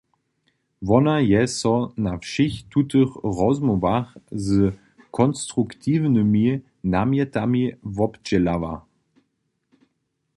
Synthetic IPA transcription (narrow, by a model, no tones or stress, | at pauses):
vɔnajɛsɔnafʃixtutəχʁɔzmɔvaχzə | kʰɔnstʁuktʰiːvnəmi | namjɛtamivɔpd͡ʑɛlava̰